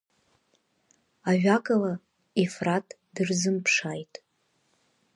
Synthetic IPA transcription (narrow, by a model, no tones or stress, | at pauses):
aɥᶣakʼala | efratʼ | dɨrzɨmpʰʂajtʼ